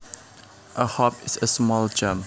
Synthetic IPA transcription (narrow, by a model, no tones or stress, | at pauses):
ʔəhɔpɪsəsmɔld͡ʒə̃m